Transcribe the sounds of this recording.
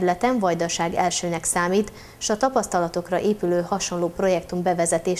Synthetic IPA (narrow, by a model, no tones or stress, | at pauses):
lɛt̪ɛɱvɒjd̪ɒʃaːɡɛlʃøːnɛksaːmiːt̪ | ʃɒt̪ɒpɒst̪ɒlɒt̪o̞krɒʔeːpyløːhɒʃo̞nloːpro̞jɛkt̪umbɛvɛzɛt̪eːʃ